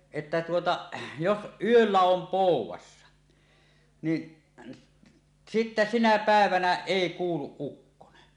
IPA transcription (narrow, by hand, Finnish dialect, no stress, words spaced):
etːæ tuotɑ jos ʔyølːæ om poˑuwˑɑsːɑ ni sitːæ sinæ pæˑeʋænæ eˑi kuːluʔ ʔukːone